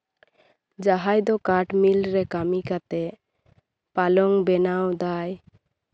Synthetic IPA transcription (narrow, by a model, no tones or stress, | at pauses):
d͡ʒaɦajd̪ɔkaʈmilɾɛkamikat̪ɛ | palɔŋbɛnawd̪aj